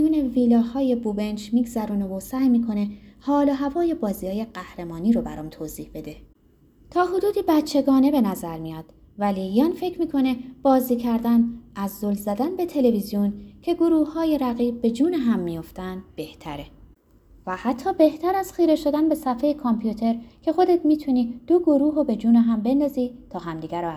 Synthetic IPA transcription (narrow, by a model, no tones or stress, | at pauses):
juːne̞viːlɒːhɒːje̞bube̞nd͡ʒmiːɡzæɾuːnevosæːjmiːkʰo̞ne̞hɒːloɦævɒːje̞bɒːziːhɒːje̞ɢæhɾe̞mɒːniːɾobæ̰ɾɒːmt̪ʰoːziːhbe̞d̪e̞ | t̪ʰɒːɦod̪uːd̪iːbætt͡ʃʰːe̞ɡɒːne̞be̞næzæɾmijɒːd̪̥ | vælijɒnfe̞cʰmiːkʰo̞ne̞b̥ɒːziːcʰæɾd̪ænæzːolzæd̪ænbe̞t̪ʰe̞le̞vizijoncʰe̞ɡoɾuːhhɒːjeɾæɣiːb̚be̞d͡ʒuːneɦæmːijo̞ft̪ænd̪b̥e̞ht̪ʰæɾe | væhæt̪ʰːɒːbe̞ht̪ʰæɾæz̥xiːɾe̞ʃo̞d̪ænbe̞sæfejekʰompʰjut̪ʰe̞ɾcʰe̞xo̞d̪et̪miːt̪ʰuniːd̪̥oɡoɾuːɦobe̞d͡ʒuːneɦæmbe̞nd̪ɒːziːt̪ʰɒːɦæmd̪iːɡæɾɔæ